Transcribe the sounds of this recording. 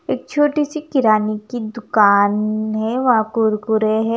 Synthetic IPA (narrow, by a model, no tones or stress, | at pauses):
eːk̚t͡ʃʰoːʈisikɪɾaːnikid̪ʊkaːnɦɛʋɐãkʊɾkʊɾeɦɛ